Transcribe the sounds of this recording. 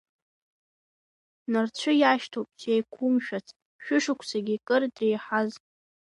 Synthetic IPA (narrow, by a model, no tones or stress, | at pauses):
nart͡ɕʷʰʊjaʃtʰopʼt͡ʃejkʷʰʊmʃᶣat͡sʰ | ʃᶣʊʂʊkʷʰsʰaɡʲikʼɨrdrejħaz